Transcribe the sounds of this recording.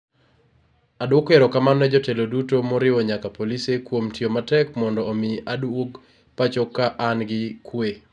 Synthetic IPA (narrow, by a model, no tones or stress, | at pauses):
adwokeɾɔkamannɛd͡ʒotelodutomoɾɪwɔɲakapolisekwomtiomatɛkmɔndɔːmɪadwoɡ | pat͡ʃɔkːaʔanɡɪkwe